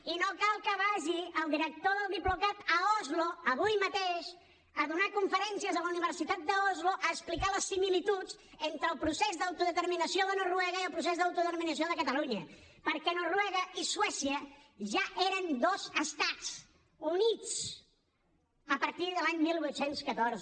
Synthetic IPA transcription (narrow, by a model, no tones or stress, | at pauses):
inokalˠkəβaʒiəlˠd̪iɾək̚t̪oðəlˠd̪iplukat̪əɔzluəβujmət̪eʃ | əðunakuɱfəɾɛnsiəzələuniβ̞əɾsit̪at̪̚d̪əɔzluʔəːsplikaləsːimilit̪ud͡z | ent̪ɾəːlˠpɾusezðəwt̪uðət̪əɾminəsioðənorwɛɣəiəlˠpɾus̬ezðəwt̪uðəəɾminəsioðəkət̪əluɲəpəɾkɛnorwɛɣəiswɛsiəʒaʔeɾənd̪ozəst̪at͡s | unit͡s | əpəɾt̪iðəlaɲmilˠβwut̪senskət̪oɾzə